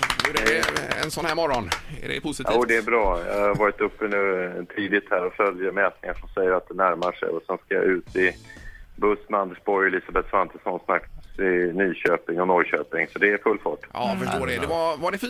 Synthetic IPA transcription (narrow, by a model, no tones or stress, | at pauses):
dɛɛ̰nsɔnhæːɾmɔɾːɔnɛ̰ɖɛ̰pʰʊsɪt̪ʰːuːd̪ɛːɾbɾɑːjɑ̰aɾvɑːɾɪt̪ɵpːənʉːt̪ʰiːd̪ɪt̪hæːɾɔfœljəɾmɛːt̪̚nɪŋaʂɔmsɛjːəɾat̪̚d̪ɛnæɾmaʂɛ̰jɔsɛnskaja̰ʔʉ̟ːt̪ɪ | bɵsmand̪əʂbɔjliːsabɛt̪svant̪ʰəsɔnsnakt̪sɪnyːɕøːpɪŋɔnɔjɕøːpɪŋsɔd̪ɛːɾfɵlːfɑːʈːɑfəʂtoːdɛd̪ɛvavaɖɛf